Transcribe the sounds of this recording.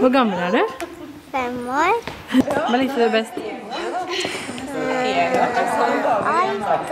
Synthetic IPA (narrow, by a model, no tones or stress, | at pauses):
ʋʊɾɡɑməlæɖʉ | fɛmoːɾ | ʋɑlɪt̪əd̪ɛbɛst̪